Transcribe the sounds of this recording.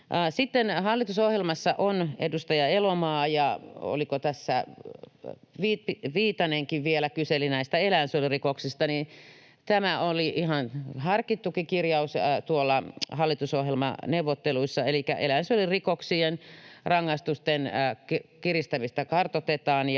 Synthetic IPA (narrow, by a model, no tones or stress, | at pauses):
ʔsit̪ːenhɑlːit̪usohjelmɑsːɑʔonḛdust̪ɑjɑelomɑːjɑo̰likot̪æsːæ̰ | ʋipʋiːt̪ɑneŋkiʋʋielækyselinæist̪æelænsolirikoksist̪ɑni | t̪æmæoliʔihɑnhɑrkit̪ːukikirjɑust̪uolːɑhɑlːit̪usohjelmɑ̰newʋːot̪ːeluisːɑelikːæ̰ʔḛlænsyolirikoksienrɑŋːɑist̪ust̪enkkirist̪æmist̪ækɑrt̪ot̪et̪ɑːnj